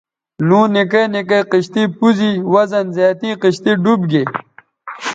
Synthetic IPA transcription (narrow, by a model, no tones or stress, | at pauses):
lũːnikenikeqiɕt̪ipuziwɐzɐnzaːt̪ĩːqiɕt̪iɖubɡe